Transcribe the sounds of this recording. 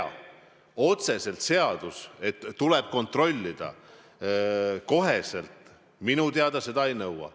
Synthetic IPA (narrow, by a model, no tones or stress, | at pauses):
o̞t̪se̞se̞lt̪se̞ɑd̪̥use̞t̪ːuleb̥̚ko̞nt̪ro̞lʲːid̪̥ɑ̰ | ko̞ɦese̞lt̪ | minut̪eɑd̪̥ɑse̞d̪ɑejnɤwɑ̰